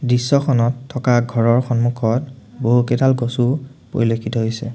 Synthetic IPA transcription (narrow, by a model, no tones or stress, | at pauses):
dɹisːɔxʰɔnɔtʰːɔkaɡʱɔɹɔɹxɔnmukʰɔt | boɦukɛdalɡosupo̰ɹilokʰitɔɦojsɛ